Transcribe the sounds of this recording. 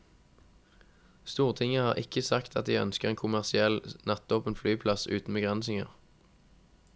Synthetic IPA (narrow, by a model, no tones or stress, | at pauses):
st̪uːʁt̪ʰɪŋəhɑːʁʔɪkəsɑkt̪ʰɑt̪̚d̪iːœ̰nskəʁeːŋkʰʊmæʁsɪɛlnɑt̪̚oːpənflyːpʰlɑsʉ̰ːt̪n̩bəɡʁɛnsɪŋə̰ʁ